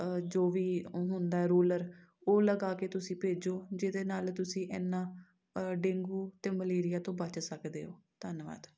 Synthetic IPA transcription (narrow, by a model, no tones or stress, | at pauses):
d͡ʒoːʋiːɦʊnd̪aːɛːɾuːləɾ | oːləɡaːkeːt̪ʊsĩːpeːd͡ʒoːd͡ʒɪd̪eːnaːlt̪ʊsĩːʔɛːnːãː | ɖẽːŋɡuːt̪eːməleːɾɪjaːt̪õːbət͡ʃsəkd̪ḛːoː | t̪ənʋa̰ːd̪